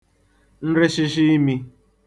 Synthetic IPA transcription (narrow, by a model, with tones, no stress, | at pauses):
n̩˦ɾɪ˦ʃɪ˦ʃ̬i˦i˦mi˦